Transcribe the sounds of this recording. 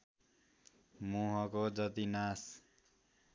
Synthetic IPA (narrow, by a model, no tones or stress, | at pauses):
muɦʌkod͡zʌt̪inas